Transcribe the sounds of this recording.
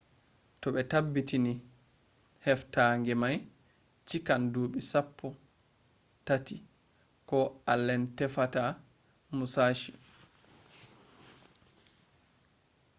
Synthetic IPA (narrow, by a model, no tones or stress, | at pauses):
tɔɓɛtabːitini | hɛftaŋɡɛmaj | t͡ʃikanduːɓisapʰːɔ | tati | kɔalːɛntɛfata | musaːʃi